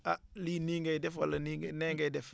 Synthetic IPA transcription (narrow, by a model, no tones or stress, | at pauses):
aliːniːŋɡajdɛfwalːɐninɛːŋɡɛjdɛf